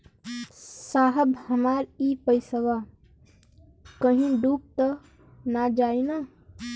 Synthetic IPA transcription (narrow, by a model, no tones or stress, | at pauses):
saɦəbhəmaɾipəjsəɡa | kəɦĩɖup̚t̪ə | nad͡ʒaina